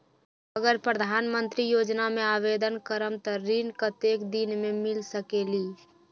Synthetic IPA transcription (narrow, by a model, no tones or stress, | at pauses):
əɡəɾpɾəd̪ʱaːnmə̃nt̪ɾijoːd͡ʒnamẽaːʋeːd̪ənkəɾəmt̪əɾinkət̪eːkd̪inmẽmɪlsəkeːliː